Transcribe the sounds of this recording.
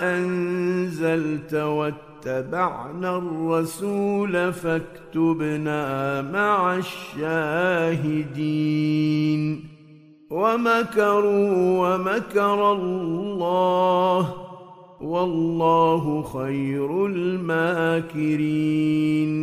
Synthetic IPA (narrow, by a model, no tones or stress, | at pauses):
ʔanzalt̪wat̪ːabaʕnaːrˤːɑsuːlafakt̪ʊbnaːmaʕaʃːaːɦɪd̪iːn | wamakɑɾˤʊwamakɑɾˤɑlːɑːh | wɑlːɑːɦʊxajɾʊlmaːkɪɾ | n